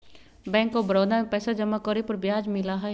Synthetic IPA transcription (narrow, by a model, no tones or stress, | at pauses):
bɛ̃ːŋkːobɾɔːd̪amẽpɛːsad͡ʒɐmːakɔɾipəɾbjaːd͡ʒmɪlaɦɛ